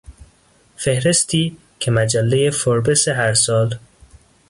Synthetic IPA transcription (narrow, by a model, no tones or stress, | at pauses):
fehɾe̞st̪ʰiː | kʰemæd͡ʒælːejefoɾbeseɦæɾsɒːl